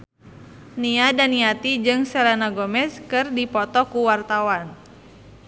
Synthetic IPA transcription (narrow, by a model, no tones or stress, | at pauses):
niadaniat̪id͡ʒɨŋsɛlanaɡɔmɛskɨrdipɔt̪ɔkuwart̪awan